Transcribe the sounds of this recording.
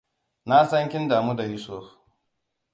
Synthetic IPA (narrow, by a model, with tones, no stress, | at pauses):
na˦sɐ˦ŋkʲɪ˦ndaː˨muː˦da˨ji˦so˦˨f